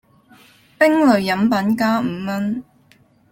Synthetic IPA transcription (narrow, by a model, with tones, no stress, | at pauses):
pɪ˥ŋlɵ˨˩ɥjɐ˨˥mpɐ˨˥nkaː˥m̩ː˨˧mɐ˥n